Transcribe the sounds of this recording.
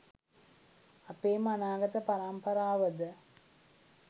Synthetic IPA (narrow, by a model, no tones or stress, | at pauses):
apeːmanaːɡət̪əpaɾampəɾaːʋəd̪ə